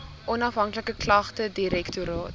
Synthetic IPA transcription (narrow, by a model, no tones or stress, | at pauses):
ʔɔnɐfɦɐŋkləkəklɐχtədiɾɛktuɾɑːt